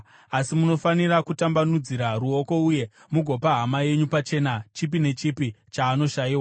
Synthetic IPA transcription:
asimuno̞fanirakutambanud͡ziɾaruo̞ko̞uje̞ | muɡʱo̞paɦamaje̞ɲupat͡ʃe̞ːnat͡ʃipine̞t͡ʃipit͡ʃaːno̞ʃajiːwa

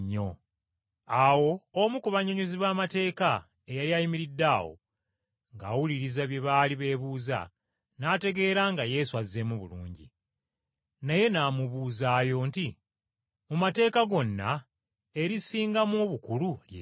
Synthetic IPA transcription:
ɲːo̞̰ | awo̞omukuβaɲoɲuziβaːmate̞ːka | e̞jaɾjajimiɾidːaːwo̰ | ŋɡa̰wuliɾizaβje̞βaːliβe̞ːβuːza̰ | naːte̞ɡe̞ːɾaŋɡaje̞suaze̞muβṵlṵːɲɟḭ | naje̞naːmuβuːzaːjo̞nti | mumate̞ːkaɡo̞nːa̰ | e̞ɾisiːŋɡamoβukululje

